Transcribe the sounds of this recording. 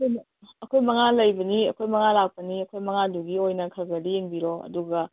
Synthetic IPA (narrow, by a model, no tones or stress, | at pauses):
ɐkʰojm | ɐkʰojmɐŋalɐjbɐniɐkʰojmɐŋalak̚pɐniɐkʰojmɐŋaduɡiojnɐkʰɐɡɐɾieŋbiɾoɐ̰duɡɐ